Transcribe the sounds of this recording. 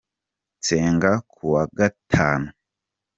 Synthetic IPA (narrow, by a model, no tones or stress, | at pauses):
t͡seːŋɡakʰuwaɡatʰaːnu